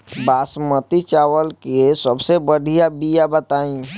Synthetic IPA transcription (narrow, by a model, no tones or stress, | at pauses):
basmət̪it͡ʃawəlkeesəbsebəɽ̤ʱijabijabət̪aːĩ